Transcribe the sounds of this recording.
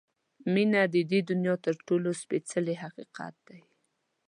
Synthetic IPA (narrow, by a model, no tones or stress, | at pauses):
minad̪əd̪ed̪ʊnjɑt̪əɾʈolospet͡səleɦaqiqɑ̰t̪̚d̪̥aj